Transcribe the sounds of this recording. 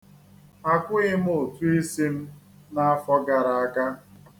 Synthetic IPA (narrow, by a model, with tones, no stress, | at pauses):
a˦kʷʊ˦ɣɪ˦m̩˦o˨tu˦i˦si˦m̩˦ | na˦a˦fɔ˦ɡa˨ɾa˨a˦ka˦